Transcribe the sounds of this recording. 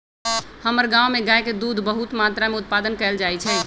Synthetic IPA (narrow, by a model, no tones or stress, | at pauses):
həməɾɡãwmeɡajked̪ud̪ʱbəɦut̪mat̪ɾameut̪̚pad̪ənkɛld͡ʒaɛt͡ʃʰɛ